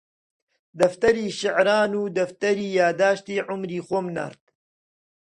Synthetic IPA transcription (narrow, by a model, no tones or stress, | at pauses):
d̪ɐft̪ɐɾiːʃɪʕɾaːnuːd̪ɐft̪ɐɾiːjaːd̪aːʃt̪iːʕʊmɾiːxoːmna̰ːɾt̪